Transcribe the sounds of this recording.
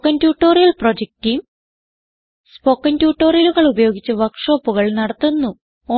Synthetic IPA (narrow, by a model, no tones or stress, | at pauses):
kːɐntjuːʈːo̞ːrijɐlprod͡ʑek̚tijm | spokːɐntjuːʈːo̞ːrijɐluɣɐɭubɐjo̞ːɡit͡ɕːɨʋɐkʂo̞ːpːuɣɐɭnɐɽɐt̪ːunːu | o